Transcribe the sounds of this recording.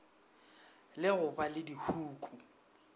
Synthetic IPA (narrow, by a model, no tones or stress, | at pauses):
lɪɣʊbalɪdihuːkʼu